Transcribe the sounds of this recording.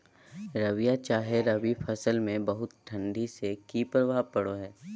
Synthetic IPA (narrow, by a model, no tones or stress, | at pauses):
ɾɐʋijat͡ʃaːɦeɾɐʋipʰɐsəlmẽbɐɦʊt̪ʈʰɐ̃ɳɖisekiːpɾəbʱapɐɽoɦɛː